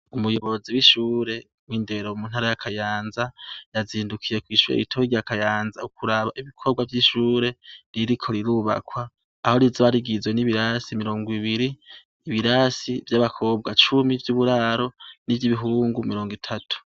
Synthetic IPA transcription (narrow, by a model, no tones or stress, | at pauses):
umujo̞βo̞ziwiʃuːɾe̞ | mwiːnde̞ɾo̞mun̥haɾajakʰajaːnzajaziːndukʰije̞kwiːʃuɾḛɾitʰoiɟakajaːnzaukuɾaβaʔiβikʰo̞bɡwavjiʃuːɾe̞ɾiɾikʰo̞ɾiɾuːβa̰kwaː | ho̞ɾizoβaɾiɡizwe̞niβiɾaːsimiɾo̞ːŋɡwiβiɾiː | βiɾaːsivjaβakʰo̞b̚ɡat͡ʃumivjuβuɾaːɾo̞nivjiβiɦuːŋɡumiɾo̞ːŋɡitʰatʰu̥